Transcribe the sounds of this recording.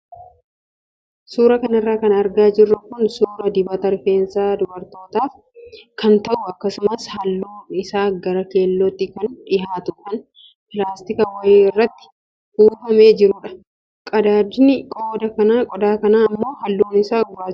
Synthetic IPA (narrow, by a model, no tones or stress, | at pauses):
suːɾɐkɐnɪrːaːkɐnɐɾɡaːd͡ʒɪrːɐkʊnsuːɾɐd̪ɪbɐt̪ɐɾfeːnsaːd̪ʊbɐɾt̪o̞ːt̪aːf | kɐnt̪ɐʔʊɐkːɐsʊmɐshɐlːoːnɪsaːɡɐɾɐke̞ːlːɔt̪ːɪkɐnᶑɪɦaːt̪ʊ̥kɐn | pɪlaːst̪ɪkɐwɐjeːɪrːɐt̪ːɪ̥ | huːfɐme̞ːd͡ʒɪɾʊᶑɐ̥ | kʼɐd̪aːd̪ɪnɪkʼɔːd̪ɐkɐnaːkʼɔd̪aːkɐnaːɐmːo̞ːhɐlːoːnɪsaːɡʊɾaː